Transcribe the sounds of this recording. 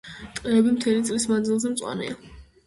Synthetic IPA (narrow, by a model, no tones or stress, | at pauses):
t̪ʼqʼiɾɛbimt̪ʰɛlit̪sʼlismand̪zilˠzɛmt̪sʼwa̰nɛ̰a